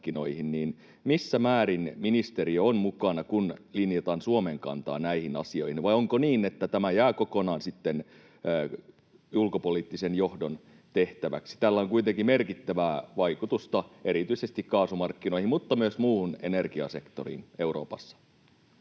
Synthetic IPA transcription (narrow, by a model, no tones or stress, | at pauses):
kːino̞ihinniːn | misːæmæːɾinminist̪eɾiøonmukɑnɑkunlinjet̪ɑnsuomeŋkɑ̰nt̪ɑ̰ːnæihinɑ̰sio̞̰ihinʋɑjoŋkoniːnet̪ːæt̪æmæjæːkokonɑːnsit̪ːenː | julkopoliːt̪ːisenjohdon | t̪eht̪æʋæ̰ksi̥t̪ælːæoŋkuit̪eŋkimerkit̪ːæʋæːʋɑikut̪ust̪ɑeɾit̪yisest̪ikkɑːsumɑrkːino̞ihimut̪ːɑmyøsmuːunenerɡiɑ̰se̞kt̪orḭːneuro̰ːpɑsːɑ̥